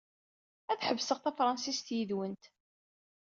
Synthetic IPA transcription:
æθħəvːsəʁθæfɾˤɑnsist̪jiðwənt̪

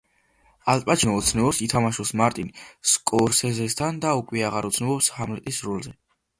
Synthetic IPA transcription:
alʼpʼad͡ʒʰnɔːt̪sʰnɛvɔpsit̪ʰamaʃusmaɾt̪ʼinskʼɔɾsɛzɛst̪ʰand̪aukʼwiaʁaɾɔt̪sʰnɛvɔpshamlɛt̪ʼisɾulzɛ

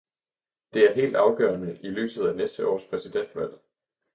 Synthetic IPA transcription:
d̥e̝æɐɦe̝̰ːld̥ɑ̈ʊɡ̥ɶːɐnəʔilø̰ːsð̞̩ˠænesd̥əʔɒ̰ːspʰʁɛsid̥en̰d̥ʋæl̰

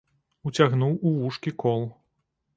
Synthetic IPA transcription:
ut͡sʲaɣnuwuʋuʂkʲikɔlˠ

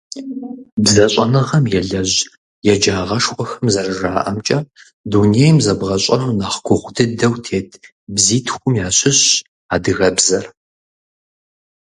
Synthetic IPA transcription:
bzɐɕʼɐnɨʁɐmjɛɮɐʑ | jɛd͡ʒaːʁɐʂxʷʼɔxɐmzɐrɨʒaːʔɐmt͡ʃʼɐ | duːnejmzɐbʁɐɕʼɐnnaːχɡʷʰʊʁʷdʰɨdɐwtʰeːtʰ | bziːtʰxʷʊmjaːɕɪɕ | aːdɨɣɐbzɐr

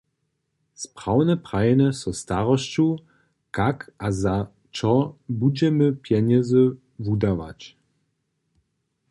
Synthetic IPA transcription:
spʁ̥awnɛpʁajnɛsɔst̪aʁɔɕt͡ɕu | kakʔaza | t͡ʃɔbud͡ʑɛməpjɛɲɛzə | vud̪ava̰t͡ɕ

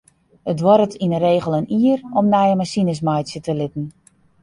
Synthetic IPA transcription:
ətʋɔɾətʰinəreːɣəlˠəniərɔmnɛjəmasinəs̬majtsjətəlɪtn̩

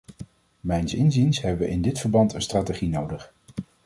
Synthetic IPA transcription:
mɛjnsɪnzinsɦɛbəʋəʔɪndɪtfəɹbɑntənstraːteχinowdəχ

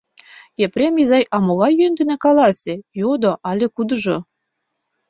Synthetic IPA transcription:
eprʲemʲizɑjʔɑmoβɑjønd̪ɘ̆nĕkɑlˠɑsʲĕjod̪oʔɑlʲĕkud̪ɤ̆ʒo

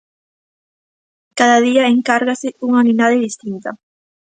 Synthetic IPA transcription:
kaðaðiaeŋkaɾɣasɪuŋaninaðeðist̪int̪ɐ

